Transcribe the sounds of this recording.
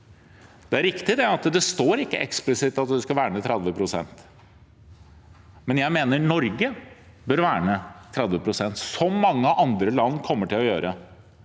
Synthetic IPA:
d̪̥ɛæɾɪkt̪ɪd̪ɛɑt̪d̪ɛst̪oːɾɪkːə̰ʔɛ̰ksplɪsɪt̪ːɑt̪d̪ɛskɑʋæːɳət̪ʰɾɛd̪ʋəpʰɾʊsɛ̰nt̪ | mɛnjæɪmeːnəɳɔɾɡə | bœːɾʋæːɳət̪ʰɾɛd̪ʋəpʰɾʊsɛnt̪sɔmːɑŋːəɑʔɑnd̪ɾəlɑnːkʰɔmːəʈɪlɔjøːɾə

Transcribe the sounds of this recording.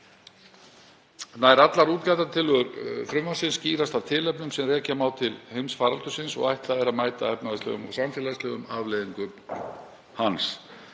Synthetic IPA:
naːjɾat̪laɾuːt̪lajt̪at̪ʰɪlʏɾθɾʏmvansɪnsciːɾast̪av̥t̪ʰɪlɛpnʏmsɛmrɛːcamaːwt̪ʰɪlhejmsfaːɾalt̪ʏsɪnsɔ̰ɣajht̪laðɛɾaðmaːjt̪aɛpnaðɪst̪lœ̰ɣʏmɔ̰ɣsamfɛːlaðst̪ɛːɣʏmavlejðiŋkʏ | hans

